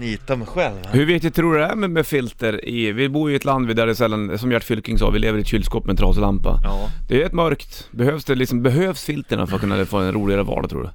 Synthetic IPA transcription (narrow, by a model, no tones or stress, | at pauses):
iːt̪amɛɧɛlvhɵɾvɪkt̪ɪt̪̚ʰːɾuːɖɵd̪ɛæɾmɛmɛfɪlt̪əɾɪvɪbuːɾjʏɪɛt̪land̪vɪd̪æɖɛsɛlːansɔmjæʈːfʏlkɪŋsɑ̰ːvɪleːvəɾɪɛt̪ɕʏlːskoːpmɛnt̪ɾɑːslampa̰d̪ɛːjʉɛt̪mœɾkt̪ | bɛhøːvsd̪ɛlɪksɔmbɛɦøːvsfɪlt̪əɳa̰fœɾat̪kɵnːa̰foːɛnɾuːlɪɡaɾəvɑ̰ːɖat̪ʰɾṵːɖɵ̰